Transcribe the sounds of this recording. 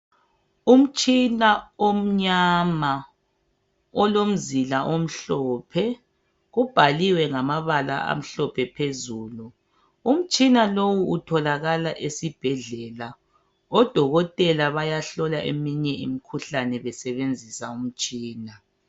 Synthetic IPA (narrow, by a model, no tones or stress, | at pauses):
um̩t͡ʃʼinaom̩ɲama | ɔlom̩zilaʔom̩ɬɔːpʰɛ | ɣub̥ʱaliwɛŋamaβala̰a̰m̩ɬɔpʰɛpʰezuːlu | um̩t͡ʃʼinalowuutʰɔlaɣalaʔesib̥ʱɛɮɛla | ɔd̥ʱɔɣɔtʼɛlaβajaɬɔlaʔḛmiɲɛḭmikʰuɬanɛβɛsɛβend͡zʱisaum̩t͡ʃʼiːna